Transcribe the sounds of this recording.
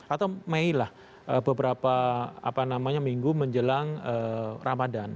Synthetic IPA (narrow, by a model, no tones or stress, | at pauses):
at̪awmeilah | ʔəbəbəɾapaa̰panamaɲamiŋɡuməɲd͡ʒəlaŋəːrʔamadan